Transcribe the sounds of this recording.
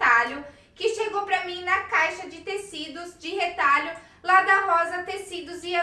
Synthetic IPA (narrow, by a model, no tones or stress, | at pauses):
t̪aʎʊ | kɪʃeɡowpɾɐmĩnɐkajʃɐd͡ʒɪt̪esid̪ʊzd͡ʒɪhet̪aʎʊ | lad̪ɐɦɔzɐt̪esid̪ʊzia